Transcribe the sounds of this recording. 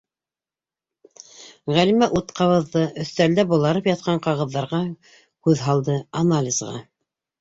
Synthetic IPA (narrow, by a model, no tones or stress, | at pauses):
ʁælimæʔut̪qɑwɤ̆ðːɤʔɵ̆θt̪æld̪æbulˠɑɾɤpjɑt̪̚qɑɴqɑʁɤ̆ðːɑɾʁɑ | kʉðɦɑlˠd̪ɤanalʲizʁɑ̰